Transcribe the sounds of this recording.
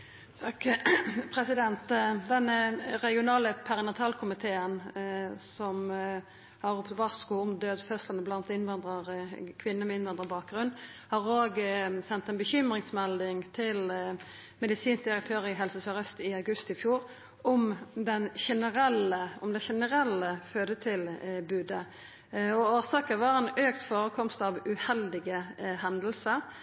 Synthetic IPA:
t̪ʰɑkpʰɾɛsɪd̪ɛnt̪d̪ɛnːəʁɛɡɪʊnɑːləpʰɛʁɪnɑt̪ʰɑːlkʰʊmɪt̪ʰeːənsɔm | hɑɾʊpt̪ʋɑʁskuʊmd̪øːd̪fœslnəblɑnt̪ɪnʋɑnd̪ʁəʁkʰʋɪnːəmɛɪnʋɑnd̪ʁəbɑːk̚ɡʁʉnːhɑʁoːɡsɛnt̪ɛnbəçʏmʁɪŋsmɛld̪ɪŋt̪ʰɪl | mɛd̪ɪsiːns̚d̪ɪɾək̚t̪ʰøːʁɪɦɛlsəsœɾœst̪ɪɑʉɡʉst̪ɪfjuːʁ | ɔmd̪ɛnʃɛnəɾɛləɔmd̪ɛʃɛnəʁɛlːəføːd̪ət̪ʰɪlbʉːd̪ə | ɔoːsɑːkəʋɑʁɛnøːkt̪foːɾəkʰɔmst̪ɑʋʉhɛld̪ɪɡəhɛnd̪əl̩səɾ

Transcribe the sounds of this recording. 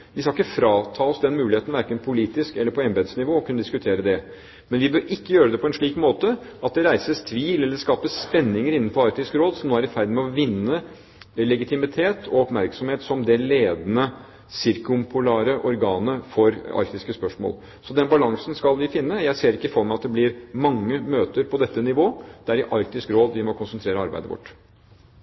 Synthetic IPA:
ʋɪskɑɪkːəfɾɑːt̪ʰɑːɔsd̪ɛnmʉːlɪheːt̪n̩ʋæɾkənpʰʊliːt̪ɪskɛlːəɾpʰɔɛmbɛd̪snɪʋoːɔkʰʉnəd̪ɪskʉt̪ʰeːɾəd̪ɛ | mɛnʋɪbøːɾɪkːəjøːɾəd̪ɛpʰɔɛnʂɭiːkmoːt̪əʔɑt̪̚d̪ɛɾæɪsəst̪ʰʋiːlɛlːəɾskɑːpəspɛnːɪŋəɾɪnːn̩fɔɾɑɾk̚t̪ɪskɾoːd̪sɔmnoːæɾɪfæɾd̪mɛɔʋɪnːə | lɛɡɪt̪ɪmɪt̪ʰeːt̪ʰɔɔpmæɾksɔmheːt̪sɔmd̪ɛleːd̪nə | sɪɾkʊmpʰʊlæːɾəʔɔɾɡɑːnəfɔɾɑ̰ɾk̚t̪ɪskəspœʂmo̰ːl | sɔd̪ɛnbɑlɑŋsənskɑlʋɪfɪnːəjæɪseːɾɪkːəɪfɔɾməɑt̪̚d̪ɛblɪɾmɑŋːəmøːt̪əɾpʰɔd̪ɛt̪ːənɪʋoːd̪̥æɾɪʔɑɾk̚t̪ɪskɾoːd̪ʋɪmɔkʰʊnsənt̪ʰɾeːɾəɑɾbæ̰ɪd̪əʋɔ̰ʈː

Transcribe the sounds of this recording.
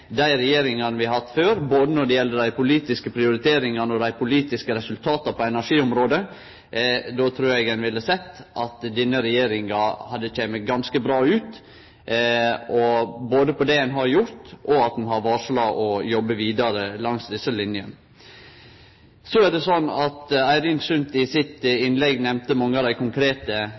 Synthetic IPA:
d̪æɪɾɛjeːɾɪŋɑnʋɪhɑt̪ːføːɾboːd̪ənɔɖ̪ɛjɛlːəɖ̪æɪpʊliːt̪ɪskəpʰɾɪʊɾɪt̪ʰeːɾɪŋɑnɔd̪æɪpʰʊliːt̪ɪskəɾɛsʉlt̪ʰɑːt̪ɑpʰɔɛnæʂiːɔmɾoːd̪ə | d̪ot̪ʰɾuːɾɛɡɛnʋɪlːəsɛt̪ːʔɑt̪d̪inːəɾɛjeːɾɪŋɑhɑd̪ːəc͡çeːməɡɑnskəbɾɑːʉːt̪ | ɔboːd̪əpʰɔd̪ɛhɛnɦɑɾjʊɾt̪ɔɑt̪̚h̪ɛmɦɑɾʋɑːʂlɑʔɔjɔbəʋiːd̪ɑɾəlɑŋsd̪ɪsːəlɪnjən | sɔæɖ̪ɛsɔnːɑt̪æɪɾɪnsʉnt̪ɪsɪt̪ɪnlɛɡnɛmnt̪əmɑŋːəɑd̪æɪkʰʊŋkʰɾeːt̪ə

